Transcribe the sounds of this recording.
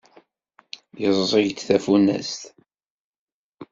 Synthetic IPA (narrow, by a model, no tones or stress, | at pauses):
jəzˤːiʝt̪θæfunæ̰st̪